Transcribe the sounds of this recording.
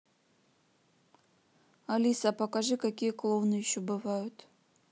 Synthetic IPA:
alʲisapɐkaʐɨkakʲijəklˠovnɨjɪɕːobɨvajʊt̪

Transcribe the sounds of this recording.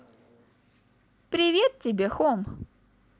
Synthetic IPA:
pɾʲɪvʲet̪̚tʲɪbʲexom

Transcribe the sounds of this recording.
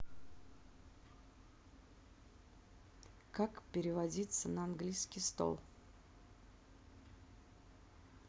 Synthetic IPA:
kakpʲɪɾʲɪvɐdʲit̪sənəɐnɡlʲijskʲɪjst̪o̰lˠ

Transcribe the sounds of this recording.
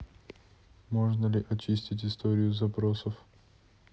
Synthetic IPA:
moʐnəlʲɪʔɐt͡ɕisʲtʲɪtʲɪst̪oɾʲɪjʊzɐpɾosəf

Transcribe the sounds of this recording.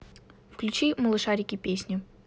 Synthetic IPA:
fklʲʉt͡ɕiməlˠɨʂaɾʲɪkʲɪpʲesʲnʲʊ

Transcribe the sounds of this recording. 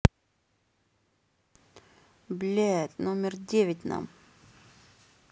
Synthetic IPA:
blʲɛt̪nomʲɪrdʲevʲɪtʲna̰m

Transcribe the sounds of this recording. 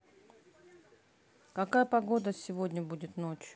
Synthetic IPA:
kɐkajəpɐɡo̞d̪əsʲɪvodʲnʲəbudʲɪt̪not͡ʃʊ

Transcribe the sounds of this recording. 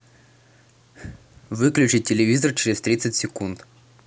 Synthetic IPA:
vɨklʲʉt͡ɕɪɪlʲɪvʲizərt͡ɕɪɾʲɪst̪ɾʲit̪sɨtʲsʲɪkunt̪

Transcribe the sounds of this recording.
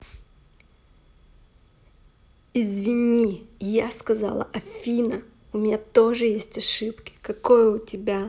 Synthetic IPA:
ɪzvʲɪnʲijaskɐzɑ̰lˠə̰ʔɐfʲinə | ʊmʲɪnʲat̪oʐɨjesʲtʲɐʂɨpkʲɪ̥kɐkojəʊtʲɪbʲa

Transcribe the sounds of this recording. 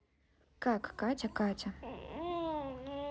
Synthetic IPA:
kakːatʲɐkatʲɐ

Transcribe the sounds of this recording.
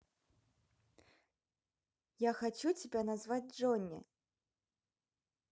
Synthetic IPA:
jaxat͡ɕut͡sʲibʲɛnazvad͡zʲʐɔnʲːɛ̰

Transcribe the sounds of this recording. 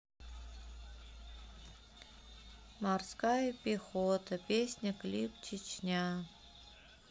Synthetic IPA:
marskajəpʲɪxot̪əpʲesʲnʲəklʲipt͡ɕɪt͡ɕnʲa

